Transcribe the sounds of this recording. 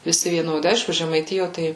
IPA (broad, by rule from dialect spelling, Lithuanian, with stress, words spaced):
ʋʲɪˈsʲɪ ʋʲiɛˈnoːdʲɪ ˈɐɪʃkʊ ʒʲɛmɐɪˈtʲɪjoː ˈtɐɪ